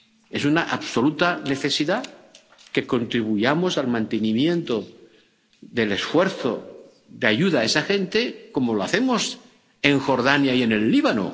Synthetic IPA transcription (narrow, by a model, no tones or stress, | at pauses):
e̞sunaʔaβso̞lut̪ane̞θe̞siða | ke̞ko̞nt̪ɾiβujamo̞salmãnt̪enimjẽ̞nt̪o̞ | ðe̞le̞sfwe̞ɾθo̞ | ðeaʝuðae̞saxe̞nt̪e̞ko̞moloaθe̞mo̞s | e̞ŋxo̞ɾð̞anjaje̞ne̞lːiβano̰